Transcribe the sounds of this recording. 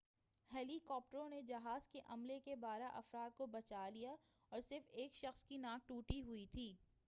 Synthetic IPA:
hɛːlikɔːp̚ʈəɾõned͡ʒɐɦaːzkeʔɐmlekebaːɾaʔɐfɾaːd̪̚kobɐt͡ʃaːlija | ɔːɾsɪɾfeːkʃɐxskinãːk̚ʈuːʈiɦʊit̪ʰiː

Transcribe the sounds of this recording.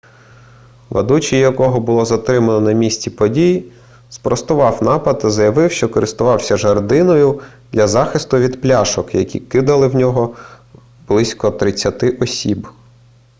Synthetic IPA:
ʋɐ̰d̪ut͡ʃijjɐkɔɦɔbʊlˠɔzɐt̪ɾɪmɐnɔnɐmʲisʲtʲipɔdʲij | spɾɔst̪ʊʋɑwnɑpɐd̪ɐzɐjɐʋɪwʃt͡ʃɔkɔɾɪst̪ʊʋɑwsʲɐʒɐrd̪ɪnɔjʊ | d̪lʲɐzɑxɪst̪ʊʋʲid̪plʲɑʃɔkjɐkʲḭkɪd̪ɐlˠɪwnʲɔɦɔ | b̥lˠɪsʲkɔt̪ɾɪt͡sʲːɐt̪ɪʔɔsʲib

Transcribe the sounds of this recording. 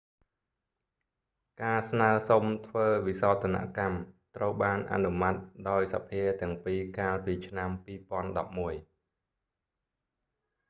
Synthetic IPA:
kaːsnaːəsomt̪ʰʋəːʋisaɔt̪ʰːana̰ʔkamt̪rəwɓaːnʔa̰numat̪̚ɗaɔjsa̰pʰiət̪ɛ̆əŋpiːkaːlpiːt͡ɕʰnampiːpŏənɗɑp̚muəj

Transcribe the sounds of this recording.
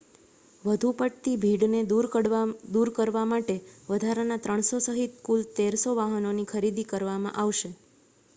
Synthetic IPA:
ʋəd̪ʱupəʈt̪ibʱiɽned̪uɾd̪uɾkəɾʋamaʈeʋəd̪ʱaɾanat̪ɾəɳ̃sosəɦit̪kult̪eɾsoʋaɦənonikʰəɾid̪ikəɾʋamã̰ʔaʋʃe

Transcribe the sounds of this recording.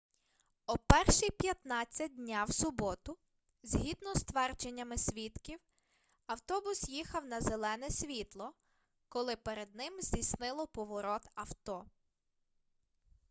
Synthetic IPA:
ɔpɛrʃijpʲjɐt̪nɑt͡sʲːɐt̚ʲdʲnʲawsʊbɔt̪ʊ | zʲɦid̪nɔst̪ʋɛrt͡ʃenʲːɐmɪsʲʋʲit̪kʲiw | ɐwt̪ɔbʊsjixɐwnɐzelˠɛnɛsʲʋʲit̪lˠɔ | kɔlˠɪpeɾed̪̚nɪmzʲdʲijsnɪlˠɔpɔʋɔɾɔt̪ɐwt̪ɔ

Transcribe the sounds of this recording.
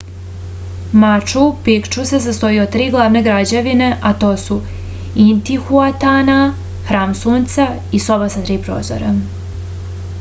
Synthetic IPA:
mat͡ʃupikt͡ʃusesast̪o̞jiod̪̚t̪ːɾiːɡlˠaʋneɡɾad͡ʑeʋine̞ʔat̪o̞ːsu | int̪ixuat̪ana | xɾaːmsuːnt̪sa | iso̞basat̪ɾiːpɾo̰ːzo̰ɾa

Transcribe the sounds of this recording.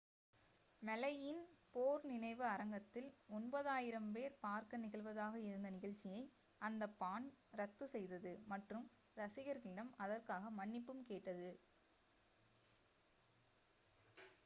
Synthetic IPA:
mɛlɐjɪnpoːɾnɪnɐɪʋɯɐɾɐŋɡɐt̪ːɪlɔnbɐðaːjɪɾɐmpeːɾpaːɾkɐnɪɣɐɭʋɐðaːɣɐɪɾɯnd̪ɐnɪɣɐɭt͡ʃːɪjɐɪ | ʔɐnd̪ɐpːaːnɾɐt̪ːɯsɛjðɐðɯmɐʈrɯm | ɾɐsɪɣɐɾɣɪɽɐmɐðɐrkaːɣɐmɐɳːɪpːɯmkeːʈːɐðɯ

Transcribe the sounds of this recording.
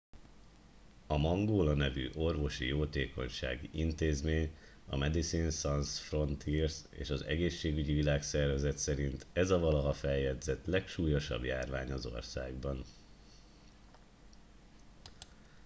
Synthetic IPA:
ɒmɒŋɡoːlɒnɛvy̰ːʔo̞rvo̞ʃḭjoːt̪eːko̞̰ɲʃa̰ːɡḭʔint̪eːzmeːɲ | ɒ̰mɛd̪isinsɒnsfro̞nt̪ʰirsḛːʃɒzɛ̰ɡeːʃːeːɡyɟivilaːksɛrvɛzɛt̪sɛɾint̪ɛzɒvɒlɒɦɒfɛjːɛd̪zɛt̪lɛkʃuːjo̞ʃɒ̰bjaːrvaːɲɒzo̞̰rsaːɡbɒn

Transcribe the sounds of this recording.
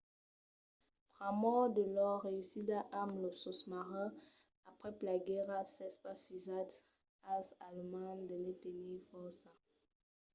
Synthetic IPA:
pʁamɔd̪əlɔʁeysidaʔamlɔsɔsmaʁã | apχɛplaɡɛʁasɛspafizat̪ | asalmãnd̪əlɛt̪enifɔʁsa

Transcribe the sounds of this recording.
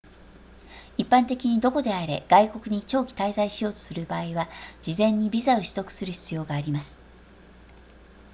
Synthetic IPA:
ipːãnt̪e̞kʲiɲ̟id̪o̞ko̞d̪e̞aɾe̞ɡ̥aiko̞kɯ̟ɲ̟it͡ɕo̞ːkʲi̥t̪aizaiɕijo̞ːt̪o̞̥sɨɾɯ̟baːiβad͡ʑizẽ̞ɲ̟ːibʲizaoɕi̥t̪o̞kɯ̟̥sɨɾɯ̟çi̥t͡sɨjo̞ːɡaːɾʲimasɨ̥

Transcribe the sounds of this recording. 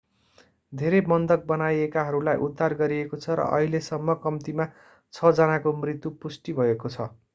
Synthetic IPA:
d̪ʱeɾemʌnd̪ʌk̚bʌnajekaɦʌɾulajʔud̪ːarɡʌɾiekot͡sʰʌɾʌ̰ʔʌ̰ɦilesʌmːʌkʌmt̪ima | t͡sʰʌd͡zʌnakomrit̪jupusʈibʱʌekot͡sʰʌ

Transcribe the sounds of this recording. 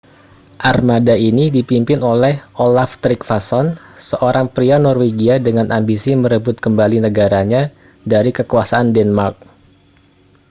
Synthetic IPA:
ʔarmadainidipimpɪnolɛhʔolaft̪ɾik̚fasɔnsəʔoɾaŋpɾianɔrweɡiadəŋanʔambisiməɾəbʊt̪̚kəmbalinəɡaɾaɲa | daɾikəkuasaandɛnmark̚

